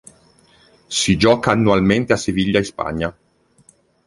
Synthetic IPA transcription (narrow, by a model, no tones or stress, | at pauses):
sid͡ʒɔːkaːnːuwalment̪easeviʎːaispa̰ɲːa